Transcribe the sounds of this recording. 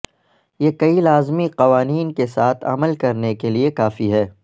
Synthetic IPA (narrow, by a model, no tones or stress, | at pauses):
jekɐilaːzmiqɐʋaːniːnkesaːt̪ʰɐ̰məlkɐɾnekeliekaːfiɦɛː